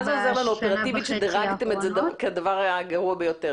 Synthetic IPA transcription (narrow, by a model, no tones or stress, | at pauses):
zeozelanuopeʁat̪ivit̪ʃed̪eʁaɡt̪emezed̪akead̪avaʁajaɡaʁuabejo̞t̪e